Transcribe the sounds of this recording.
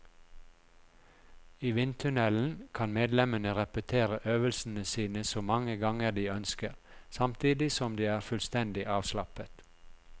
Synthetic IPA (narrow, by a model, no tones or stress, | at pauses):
iːʋɪnt̪ʰʉnɛln̩kʰɑnmeːd̪lɛmənəʁɛpət̪ʰeːʁəʔøːʋəlsn̩əsiːnəsoːmɑŋəɡɑŋəd̪iːœnskəʁsɑmt̪ʰiːd̪ɪsɔmd̪iːæːʁfʉlst̪ɛnd̪ɪʔɑːʋslɑpət̪